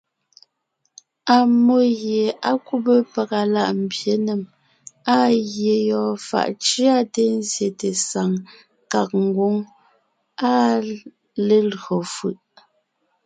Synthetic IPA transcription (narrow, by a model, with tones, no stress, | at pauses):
a˨mo˦ɣje˨a˦ku˦bə˦pə˨ka˨la˦˨ʔm̩˨bje˨˦ne˨m | a˦ɣje˨jɔː˨fa̰˨ʔt͡ʃi˦a˦te˦n˦zje˨te˨sa˨ŋ | ka˨k̚ŋ̩˦ɡwo˦ŋ | a˦ | le˦lɣo˨fɯ˦˨ʔ